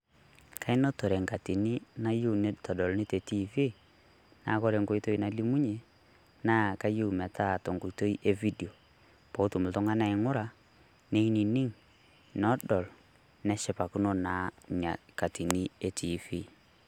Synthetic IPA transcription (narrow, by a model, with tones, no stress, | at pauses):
ka˦ɪ˦no˦to˨ɾɛ˨ŋka˨ti˨ni˦na˦ju˦˨ne˦tɔ˨dɔ˨lnɪ˦te˨ti˦vi˦ | na̰˨˦kɔ˦ɾe˨ŋɡo˦i˦to˦i˦na˦li˦mu˦ɲe˨ | na˦ka˦ju˦˨mɛ˨tʰa˦˨tɔ˨ŋɡo˨i˨to˦i˦ʔe˦vi˦di˨o˨ | po˨˦tu˨mʊ˨ltʊ˦ŋa˦na˦ɪ˨ŋʊ˦ɾa˨ | ne˦i˦ni˨nɪ˦ŋ | nɔ˦dɔ˨l | nɛ˦ʃɪ˦pa˨ku˦no˦na˨˦ɲa˨ka˨ti˨ni˦e˦tʰi˨fi˦